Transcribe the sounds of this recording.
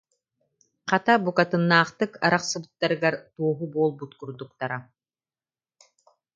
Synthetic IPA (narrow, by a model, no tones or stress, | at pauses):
qat̪abukat̪ɯnːaːχt̪ɯkaɾaqsɯbɯt̪ːaɾɯɡaɾt̪uɔɦubuɔlˠbut̪kuɾd̪uk̚t̪aɾa